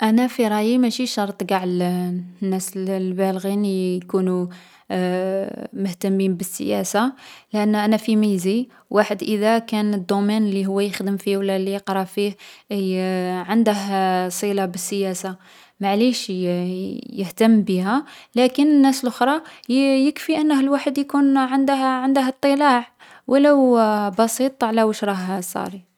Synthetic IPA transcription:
ʔænæfiɾˤɑjimæʃiʃɑɾˤt̪ˤɡɑʕlnːæslbælɣinkunu | mʊht̪əmːinbəsːə̰jæ̰salʔənːʔænæfimizi | waħəd̪ʔəd̪ækænəd̪ːumænlːiɦʊwːæjəxd̪əmfiwlːælijəqɾˤɑfih | ʕənd̪əɦsˤilabəsːəjæsa | maʕliʃ | jəht̪əmːbəɦælækənənːæsəlʔʊxɾˤɑjəkfiʔənːəhəlwaħəd̪jkunʕənd̪ʕənd̪əɦət̪ˤːəlaʕ | wəlːæbɑsit̪ˤʕlæwəʃɾˤɑɦsˤːɑ̰ɾi

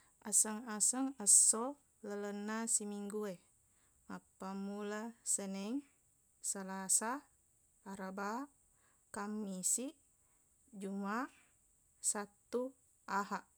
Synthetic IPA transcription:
asəŋasəŋəsːo | lələnːasimiŋɡue | mapːamulasənɛŋ | salasaː | ɾaba | kamːisiʔ | d͡ʒuma | sat̪ːu | aɦaʔ

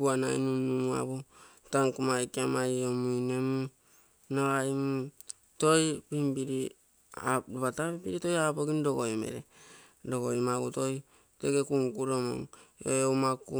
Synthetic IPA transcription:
uana̰jnunːumua̰βu | taŋkumajkamajomuinemu | noajmu | tojpimbiɾi | adβatapibiɾitojapoɡindoɡojmḛɾe | doɡojmaɡutoj | tekekuŋkuɾomo̰ŋo̰owmaku

